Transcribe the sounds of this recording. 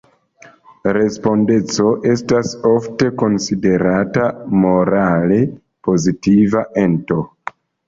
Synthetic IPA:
ɾe̞spo̞nde̞t͡so̞ʔe̞stasofte̞ko̞nside̞ɾatamo̞ɾale̞ | po̞zitivaʔe̞nto̞

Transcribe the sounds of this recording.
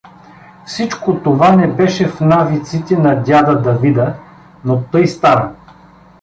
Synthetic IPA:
fsit͡ʃkot̪ovanɛbɛʃɛfnavit̪sit̪ɛnɐd̪ʲad̪ɐd̪ɐvid̪ə | not̪ɤjst̪aɾə

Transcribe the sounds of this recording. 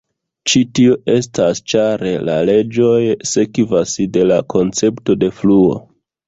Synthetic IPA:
t͡ʃitioʔe̞stast͡ʃaɾe̞la̰le̞d͡ʒo̞jsekivasde̞lakʰo̞nt͡se̞pto̞de̞fluo̞̰

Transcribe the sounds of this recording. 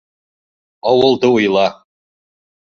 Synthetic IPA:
ɑwɤ̆lˠd̪ɤujlˠɑ

